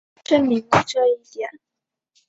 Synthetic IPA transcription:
ʈ͡ʂə˥nmi˧˥ŋpu˥˩ʈ͡ʂɤ˥˧i˥˩t̪jɛ˨˩˦n

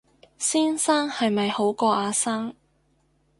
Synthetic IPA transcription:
siː˥nsaː˥ŋhɐ˨jmɐ˨jho˨˥wkɔː˧aː˨˧saː˥ŋ

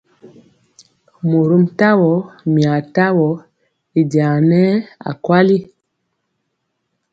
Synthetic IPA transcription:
mu˨ɾu˦m̩˦ta˦wɔ˨˦mi˨a˨ta˦wɔ˨ | i˨dja˨nɛ˦a̰˨kwa˦li˦

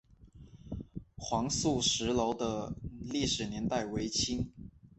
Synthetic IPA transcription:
xwɑ˧˥ŋsu˥˩ʂɻ̩˧˥lo˧˥ʊd̪ə˧li˥˩ʂɻ̩˨˩njɛ˧˥nt̪a˥˩ɪwe˧˥ɪt͡ɕʰi˥ŋ

